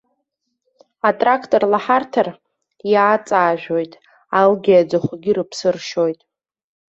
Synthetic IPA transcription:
atʼrakʰtʼorlaħartʰar | jaːt͡sʼaːʒᶣo̞jtʼ | alɡʲiad͡zaχʷaɡʲirɨpʰsɨrʃo̞jtʼ

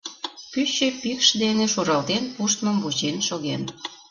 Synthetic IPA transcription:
kyɕepikʃd̪eneʃoɾɑlt̪enpuʃt̪məmvuʑenʃoɣem

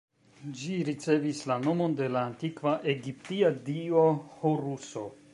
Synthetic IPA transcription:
d͡ʒiɾit͡se̞vislano̞mo̞nde̞laːntikvaʔe̞ɡip̚tiadio̞hoɾuso̞

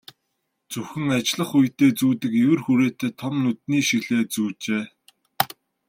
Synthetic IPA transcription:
t͡suxɘ̆ŋat͡ɕɮə̆χujt̪eːt͡suːt̪ɘ̆kewɘ̆rxuɾeːt̪eːt̪ʰɔmnut̪̚niːʃiɣɮeːt͡suːt͡ɕeː

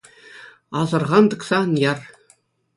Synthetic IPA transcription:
ɑzɤ̆rʁɑnd̪ɤ̆ksɑnjɑr

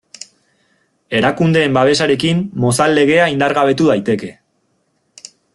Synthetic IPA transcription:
e̞ɾakund̪e̞ːmbaβ̞e̞saɾe̞kimːo̞salːe̞ɣ̞e̞aind̪aɾɣaβ̞e̞t̪uðajt̪e̞ke̞

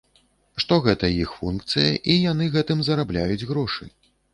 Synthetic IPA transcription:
ʂt̪ɔɣɛt̪ɐjixfunkt̪sɨjɐʔijanɨɣɛt̪ɨmzɐɾablʲajud͡zʲɣɾɔʂɨ̰j

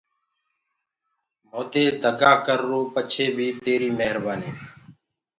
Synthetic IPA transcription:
moːd̪eːd̪ʱəɡaːkəɾːoːpət͡ʃʰeːbʱiːt̪eːɾiːməɦɾbaːniː

